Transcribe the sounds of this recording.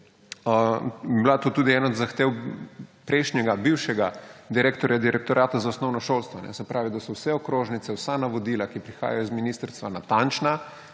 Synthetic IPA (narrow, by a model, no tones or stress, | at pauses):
əblat̪oːt̪uːd̪iɛːnɔd̪zaxt̪eːwpɾɛɪʃnʲjɛɡabiwʃɛɡad̪iɾeːkt̪ɔɾjad̪iɾʔɛk̚t̪ɔɾʔaːt̪azaosnɔwnɔʃolst̪ʋɔnɛ̰sɛpɾaːʋid̪asɔwsɛɔkɾoːʒnit̪sɛwsanaʋɔd̪ilakipɾixa̰ːjajɔzminist̪əɾst̪ʋanat̪ant͡ʃna